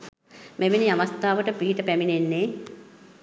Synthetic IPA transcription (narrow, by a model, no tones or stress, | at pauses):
meʋeniaʋast̪aːʋəʈəpiɦiʈəpæminenːe